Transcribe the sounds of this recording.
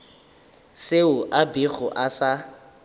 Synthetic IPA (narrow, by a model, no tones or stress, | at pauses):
seʊʔabiɣʊʔasa